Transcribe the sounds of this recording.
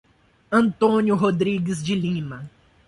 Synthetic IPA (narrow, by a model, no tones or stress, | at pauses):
ɐ̃nt̪õnjʊɦod̪ɾiɡɪzd͡ʒɪlĩmɐ